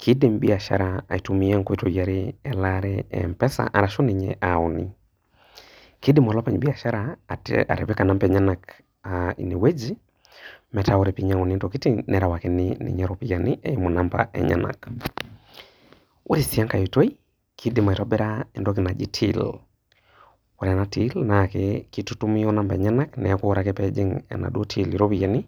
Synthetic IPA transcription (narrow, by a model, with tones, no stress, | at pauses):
kʰi˦di˨mbi˦a˨ʃa̰˦ɾaa̰˨i˨tu˦mi˦ɛ˦ŋkɔ˦i˦to˨ja˨ɾiɛ˨laɾɛɛ̰mpɛ˦sa̰˨ʔa˨ɾa˨ʃo˦ni˨ɲɛ̰ʔa˨u˨nḭ˦ | ki˦di˦mɔ˨lɔ˦pa˨ɲbi˦a˨ʃa˦ɾaa̰˨ɾɛ̰˨pi˦ka˨na˦mpɛ˨ɲa˦na˨k | aḭ˨ni˨we˦d͡ʒi˦ | mɛ˨ta˨wo˦ɾe˨pi˦ɲa˨ŋu˨ni˦nto˨ki˦ti˦nɛ˨ɾa˨wa˨kɛninḭ˨ɲɛɾopi˨ja˨ni˦ʔɛ˦jɔ˦mo˨na˦mpa̰ʔɛ̰˨ɲa̰˦na̰˨k | o˦ɾisi˨a˦ŋka˨ju˨to˦i˦ | kʰi˦di˨ma˨i˨tɔ˦bɛ˦ɾaɛ˨ndɔ˦k̬i˨na˨d͡ʒi˦tʰḭl | wa˨ɾa˨na˦ti˦lnakɛkitutu˦mi˦ɔ˦na˦mpa˨ɛ˨ɲa˦naknɛ˨ku˦ɾa˨kɛ˦pɛd͡ʒi˦ŋɛ̰˨na̰˨du˦otʰi˦liɾo˦pi˨ja˨ni˦